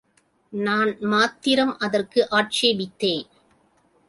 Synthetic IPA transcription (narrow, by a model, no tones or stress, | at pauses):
naːnmaːt̪ːɪɾɐmʔɐðɐrkɯʔaːʈt͡ʃeːbɪt̪ːeː